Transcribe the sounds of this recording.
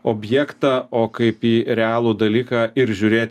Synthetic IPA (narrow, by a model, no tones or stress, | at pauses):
oːbʲjɛːkt̪ɑːoːkɐɪpiːɾʲɛɑːlˠuːd̪ɐlʲiːkɑːɪɾʒʲʊːɾʲeːt̪ʲ